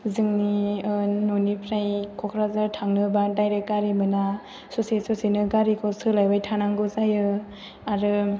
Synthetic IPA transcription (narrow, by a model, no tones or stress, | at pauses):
zɯŋni | nonipʰɾajkʰɔkʰɾazaɾtʰaŋnɯbadajɾek̚ɡaɾimɯna | sosesɔsinɯɡaɾikʰɔsɯlajbajtʰanaŋɡɯzajɯ | aɾɯ